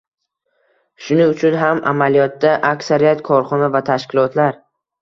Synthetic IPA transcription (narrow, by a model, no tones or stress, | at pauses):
ʃʊnɪʊt͡ʃʰʊnɦamʔa̰malijɒt̪̚d̪aʔakʲsaɾijat̪kʰɒɾχɒnavat̪ʰaʃkʲɪlɒt̪laɾ